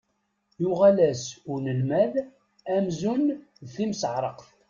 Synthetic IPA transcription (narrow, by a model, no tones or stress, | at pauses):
jʊʁælæsʊnəlmæð | æmzunðθimsʕɾˤəqθ